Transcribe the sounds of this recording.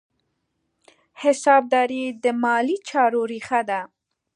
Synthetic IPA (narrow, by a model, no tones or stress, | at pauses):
hɪsɑb̚d̪ɑɾid̪əmɑlit͡ʃɑɾoɾixad̪a